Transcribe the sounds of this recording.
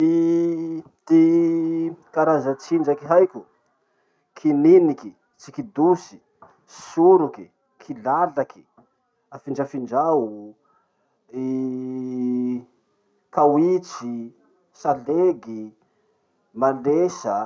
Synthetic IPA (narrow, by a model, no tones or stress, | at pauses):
i | t̪i | kaɾazat͡sind͡ʒakiɦajkʲu | kʰininiki | t͡sikid̪usi̥ | suɾuki | kʰilalakʰi̥ | afind͡ʒafind͡ʒau | i | kawit͡si | saleɡi | malesa